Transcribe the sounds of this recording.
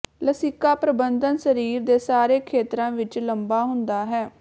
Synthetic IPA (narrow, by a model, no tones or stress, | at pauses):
ləsiːkaːpɾəbənd̪ənsəɾiːɾd̪eːsaːɾeːkʰeːt̪ɾãːʋɪt͡ʃləmbaːɦʊnd̪aːɦɛː